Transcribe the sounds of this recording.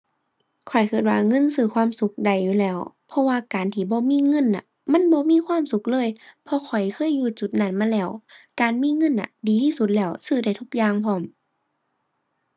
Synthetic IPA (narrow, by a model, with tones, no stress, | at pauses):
kʰɔ˨˩jkʰɯː˧˩t̪̚waː˧˩ŋɤ˧˥˨nsɯː˧˩kʰwaː˧˥˨msu˧˦k̚da˨˩jːuː˧˨lɛː˧˩˨w | pʰɔ˧waː˧˩kaː˨nt̪ʰiː˧˩˨bɔː˧˦miː˧˥˨ŋɤ˧˥˨nːa̰˧˩ | ma˧˥˨nbɔː˧˦miː˧˥˨kʰwaː˧˥˨msu˧˦k̚lɤː˧˥˨jpʰɔ˧kʰɔ˨˩jkʰɤː˧˥˨jːuː˧˩t͡ɕu˧˦t̪̚na˧˩˨nmaː˧˥˨lɛː˧˩˨wkaː˨nmiː˧˥˨ŋɤ˧˥˨nʔa̰˧diː˨t̪ʰiː˧˥˨su˧˦t̪̚lɛː˧˩˨wsɯː˧˩da˧˩jt̪ʰu˧k̚jaː˧˨ŋpʰɔː˧˩˨m